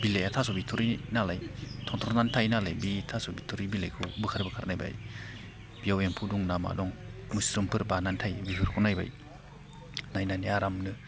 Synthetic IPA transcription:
bilejatʰasɔbitʰuɾinalajtʰɔŋtʰɔɾnantʰajnalajbitʰasɔbitʰuɾibilajkʰubɯkʰaɾbɯkʰaɾnajba̰j | b̥iaweŋpʰuduŋnama̰dɔŋmusɾimpʰɯɾbanantʰajbiɦʰɯɾkʰunajba̰j | najnaniaɾamnɯ

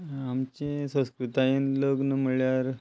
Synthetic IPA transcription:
amt͡ɕẽsə̃skɾut̪ajenləɡnəməɭjaɾ

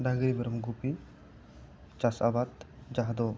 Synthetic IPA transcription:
daɡɾibɛɾɐmɡupi | t͡ʃasa̰bat̪d͡ʒaɦd̪o

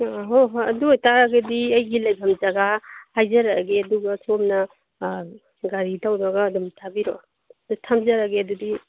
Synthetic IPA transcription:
ɦoɦɐdujtaɾaɡɐdiɐjɡilajbʰamzaɡahajzaɾaɡeɐduɡɐsomnɐ | ɡaɾitawdaɡaːdumtʰabiɾo | dutʰamzaɾaɡeɐdudi

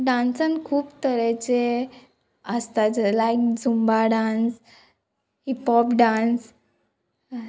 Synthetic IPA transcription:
ɖãnsənkʰuːpt̪əɾɛt͡ɕe | əst̪ad͡zəlajk̚d͡zumbaɖãns | hipɔpɖãns

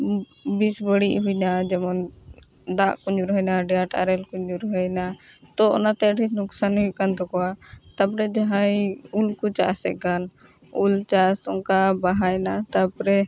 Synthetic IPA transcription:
bisbəɽiʔɦujnad͡ʒɛmɔn | d̪aʔkuɲd͡ʒuɾɦɔjnaɖɛjaʈa̰ɾɛlkuɲuɾɦɔjnat̪ɔɔ̰nat̪ɛəʈinuksanɦujkand̪ɔkɔwat̪apɾɛd͡ʒaɦajulkut͡ʃasɛ̰ɡan | ult͡ʃasɔŋkabaɦajnat̪apɾɛ

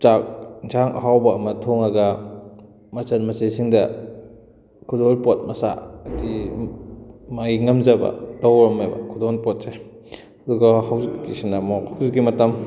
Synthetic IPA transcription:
t͡ʃak̚nt͡ʃʰaŋʔɐ̰ɦawbɐːmɐtʰɔŋaɡɐ | mɐsɐnmɐsejsiŋdɐ | kʰudɔnpɔt̚mɐsa̰ɐdi | maɡiŋɐmzɐbɐ̰dɔwɾmejbɐ̰kʰudɔnpɔt̚se | hɐduɡɐhawzikkːisinɐmɔkhʰawzikːimɐtɐm

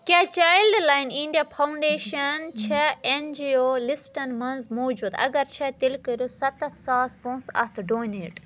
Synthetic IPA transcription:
kʲaːt͡ʃaːjlɖlaːiniɳɖiaːpʰɐuɳɖeːʃɐnt͡ʃʰɐend͡ʒioːlisʈɐnmɐnzmoːd͡ʒuːd̪ɐ̰ɡɐɾt͡ʃʰɐt̪ilkəɾjosɐt̪ɐt̪ʰsaːspõːnsɐ̰t̪ʰɖoːnḛːʈ

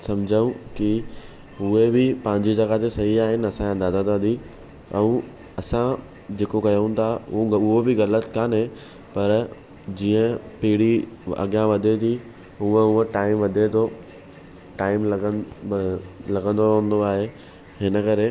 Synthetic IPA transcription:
sɐmd͡ʑʱəũkɪ | ɦuebɪpɐ̃ɦɪ̃ɲd͡ʑid͡ʑɐɣat̪ʰesɐɦiaːɦɪnɪ̆ɐsããnd̪aːzat̪ʋɐd̪ʱi | ɛ̃ | ɐsã | d͡ʑeːkokɐjəũt̪ʰãʊɦobɪɣɐlət̪kanɦẽ | pɐɾ | d͡ʑiːə̃piːɪɽiɐ̰ɠjãʋɐd̪ʱet̪ʰi | ɦuə̃ɦuə̃ʈaːɪmʋɐd̪ʱet̪ʰo | ʈaːɪmlɡə | lɐɡə̃nd̪oɾɐ̃n̆d̪oaːɦe | ɦɪnəkɐɾe

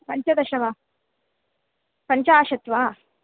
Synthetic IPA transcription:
pɐɲt͡ʃɐd̪ɐʃɐʋaː | pɐɲt͡ʃaaːʃɐt̪ʋaː

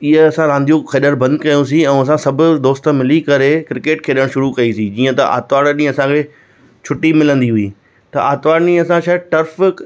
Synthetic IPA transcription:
ɪɦeɐsãɾãːnd̪ijũkʰɐɗəɾbɐ̃nd̪kɐjũsiɛ̃ːɐsãsɐbʱʊ̆d̪oːst̪əmɪlikɐɾekɪɾɪkeːʈkʰeːɗəɽ̃ʃʊɾukɐisĩd͡ʑiːə̃t̪ɐ̰ʔa̰ːt̪ʋaːɽɗĩːɐsãkʰeː | t͡ɕʰʊʈimɪlə̃nd̪iɦʊḭː | t̪ɐʔa̰ːt̪ʋaːɽɗĩːɐsãʃaːʈɐɾf

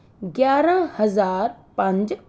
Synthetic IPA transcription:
ɡjaːɾə̃hɐzaːɾ | pɐ̃ɲd͡ʑ

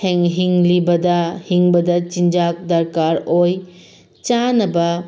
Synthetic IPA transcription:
heŋɦiŋlibɐdɐhiŋbɐdɐt͡ʃind͡ʒak̚dɐɾkaɾoj | t͡ʃanɐbɐ

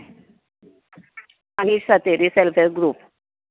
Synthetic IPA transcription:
anisat̪eɾiselfeɾɡɾuːp

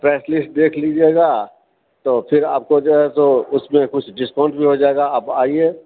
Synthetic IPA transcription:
pɛːslɪsʈ̚d̪eːkʰliːd͡ʒaeːɡaː | t̪oːpʰɪɾaːp̚kod͡ʒoːɦɛt̪oʊsmẽkʊt͡ʃʰɖɪskãːɳʈbʱiɦod͡ʒaːeːɡaəːpaːieː

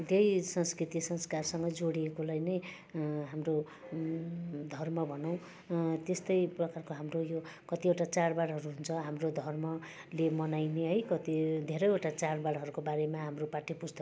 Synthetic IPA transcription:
d̪ejsʌnskrit̪isʌnskarsʌŋɡʌd͡zoɽiekolajnʌj | ɦamro | d̪ʱʌrmʌbʱʌnʌw̃ | t̪est̪ʌjprʌkarkoɦamrojokʌt̪ioʈat͡sarbaɽɦʌɾuɦunt͡sʰʌɦamrod̪ʱʌrmʌ | lemʌnajneɦʌjkʌt̪id̪ʱeɾʌjoʈat͡sarbaɽɦʌɾukobaɾemaɦamropaʈʰipust̪ʌ

